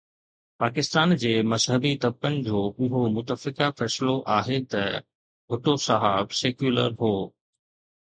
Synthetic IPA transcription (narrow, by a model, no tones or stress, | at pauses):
paːkɪst̪aːnd͡ʑeːmɐzɦəbit̪ɐb̚kənɪ̆d͡ʑoːʔʊɦomʊt̪əfɪkafɛːsɪloʔaːɦet̪ɐ | bʱʊʈosɐɦaːbseːkjuːləɾɦoː